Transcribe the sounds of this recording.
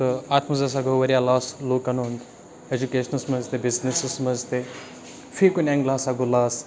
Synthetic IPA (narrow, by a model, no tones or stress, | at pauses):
t̪əaːt̪mɐzɐs̬aɡoʋɐɾijalaːsloːkɐnond̪ | ed͡ʒukeːʃənɐsmɐzt̪ebiznisɨsməzt̪e | fiːkuneŋɡlaːsaɡolaːs